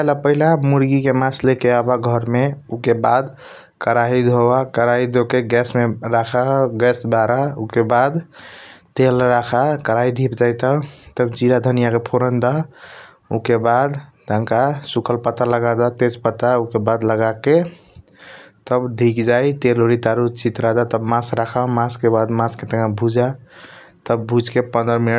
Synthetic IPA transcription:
alapəɦilamuɾɡikemaslekeabaɡʱəɾmeukebad̪ | kəɾaɦid̪ʱobakəɾaɦid̪ʱokeɡɛsmeɾakʰaɡɛsbaɾaukebad̪ | t̪elɾakʰakəɾaid̪ʱipd͡ʒajt̪ət̪əbt͡ʃiɾad̪ʱənijakepʰoɾənd̪a | ukebad̪t̪əŋkasukʰəlpət̪aləɡad̪at̪ed͡ʒpət̪aukebad̪ləɡake | t̪əbɖʱikd͡ʒajt̪eloɾit̪aɾut͡ʃit̪ɾad̪at̪əbmasɾakʰamãskebad̪mãsket̪əɡãbʱud͡ʒa | t̪əbːud͡ʒkepənd̪ɾəmin

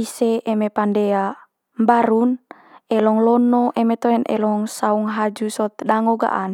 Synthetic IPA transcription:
iseːmepandea | mbaɾun | ɛlɔŋlɔnoʔemet̪oɛnʔɛ̰lɔŋsauŋɦad͡ʒusɔt̪daŋoɡa̰ʔan

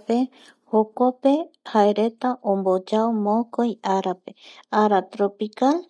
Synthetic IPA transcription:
pe | hokope̞haeɾe̞t̪aʔõmbo̞d͡ʒaomokojaɾape̞aɾat̪ɾopikal

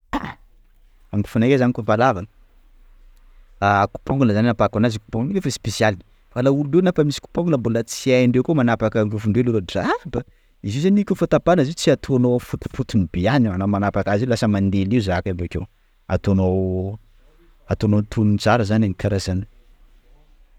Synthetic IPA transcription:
a | amk̪i̥funakezanikupalavanə | aku̥poŋɡunəzaninapakanaziku̥poŋɡunlefaspesial | falaululewnafəmisi̥ku̥poŋɡunəmbulət͡siaiɳɖ͡ʐewkumanapakənɾufuɳɖ͡ʐelulozaaba | iziwzanʲikʲufat̪apanəzit͡siat̪ʰoanofut̪u̥fut̪unibeananamanapakazilasəmand̪eliuzakabakew | a̰t̪onow | at̪onont̪ʰununt͡saɾəzananikʰaɾazani

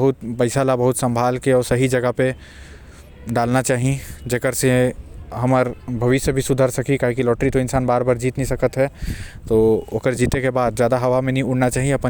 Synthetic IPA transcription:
bɐɦʊt̪̚pɐɪsaːlabɐɦʊt̪sɐ̃mbʱaːlkiɔːɾsɐɦid͡ʒɐɡape | ɖaːlnat͡ʃaːɦiẽd͡ʒekəɾseɦɐməɾbʱɐʋɪʃəbʱisʊd̪ʱaɾsɐkikaːɦikilɔːʈɾit̪oɪnsaːnbaːɾbaːɾd͡ʒiːt̪nĩsɐkət̪ɦɛt̪ookəɾd͡ʒiːt̪ekebaːd̪zd͡ʒjaːd̪aɦɐʋamẽnɦĩʊɽnat͡ʃaːɦiẽɐp

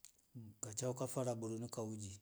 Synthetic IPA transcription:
kat͡ʃaukafaɾaboɾonukaud͡ʒi

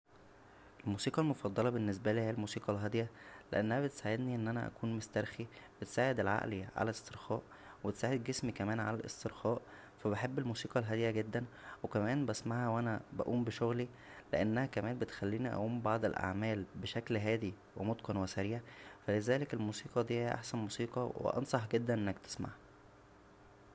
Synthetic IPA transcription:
ʔelmuːsiːqɑlmofɑd̪ˤːɑlɑbenːes̬bæliːhejælmuːsiːqɑlɦæd̪ejælḛʔænːæhæbet̪saːʕed̪niʔenːʔænæ̰ʔæ̰kuːnmost̪æɾˤxibet̪saːʕed̪elʕa̰ʔliʕa̰læest̪eɾxɑːʔ | webet̪saːʕed̪̚ɡesmikæmæːnʕa̰lælʔḛst̪eɾxɑːʔ | fæbeħebːelmuːsiːqɑlɦæd̪ejæɡed̪ːænwekæmæːnbæsmaʕæwʔænæbæ̰ʔuːmbeʃoɣli | leʔænːæhækæmæːnbet̪xælːiːniʔæ̰ʔuːmbɑʕd̪ˤelʔa̰ʕmæːlbeʃæklɦæːd̪i | wemot̪qɑnwesæɾiːʕfælezæːlekelmuːsiːqɑd̪iːhæʔa̰ħsænmuːsiːqɑwḛʔɑ̰nsˤɑħɡed̪ːænʔenːækt̪ʰe̥sma̰ʕæ

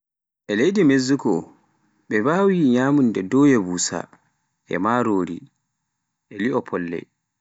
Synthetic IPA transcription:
ʔɛlejdimezːukɔ | ɓɛbaːwiɲaːmundɛdɔjɛbusa̰ | ʔɛ̰maɾoːɾḭ | ʔɛliɔpʰɔlːɛ̰

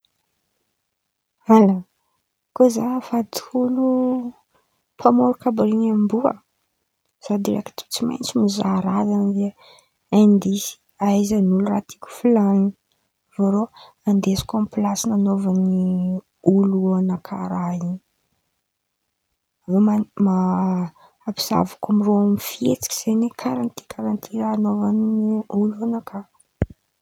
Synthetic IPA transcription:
ala | kozafat̪ulu | pʰamoɾukabɾinambuə̰ | z̥ad̪iɾḛki̥t̪u̥t͡sima̰jnt͡simizaɾazand̪e | ɛnd̪isi̥ | aizanulura̰t̪ʰi̥kʲu̥filani | voɾo | and̪esi̥kʲamplasinanovani | uluanakʰaɾaini | vomamaː | pi̥z̥a̰vakamiroamifiet͡si̥kʲi̥z̥enekʰaɾant̪i̥kʰaɾant̪ʰiɾaːnovaniuluanakʰaɾ

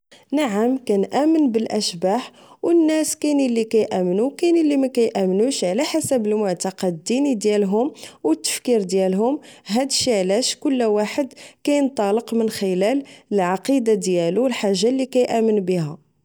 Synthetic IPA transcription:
naʕəmkænʔæmənbəlʔæʃbaħ | wənːæskænilːikæjʔæmnukænəlːimækæjʔæmnuʃʕlæħasəbəlmʊʕt̪ɑqɑd̪d̪inid̪jælɦʊmwət̪ːə̥fkiɾd̪jælɦʊmɦæd̪ʃiʕlæʃkʊlːwaħəd̪kæjənt̪ˤɑləqmənxəlæləlʕɑqid̪ad̪jæluwəlħaʒːalːikæjʔæmənbiɦæ

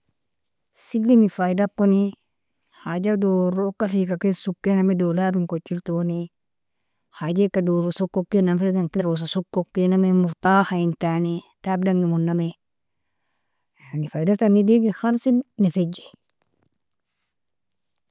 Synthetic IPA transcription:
silːimifajdapːoni | had͡ʒadoːɾokːafikakesukːenamedoːlabiŋkot͡ʃːiltoni | had͡ʒekːadoːɾosokːokːenamfelɡaŋkiɾos̬asokːokːenamemuɾtaːhaintanitab̚daŋɡimunːame | anifajdatanːidiɡixaɾsilnifed͡ʒe̥

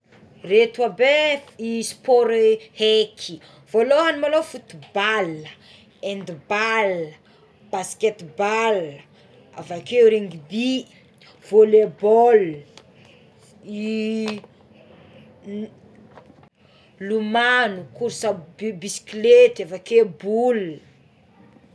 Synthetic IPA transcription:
ret̪wabeispoɾhekʰi | v̥oloɦanimalofut̪ubalə | end̪ibalə | b̥asket̪bal | a̰vakeɾeŋɡibi | volebɔl | i | lumanukuɾsabisi̥klet̪avakebul

